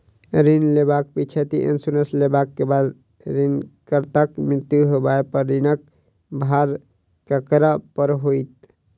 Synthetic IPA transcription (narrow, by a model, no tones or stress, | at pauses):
ɾinlebak̚pit͡ʃʰet̪ḭʔḛ̃nsunəslebakːebad̪ | ɾinkəɾt̪akmɾɪɾt̪juɦobaepəɾːinək̚ | bʱaɾ | kəkɾapəɾɦoit̪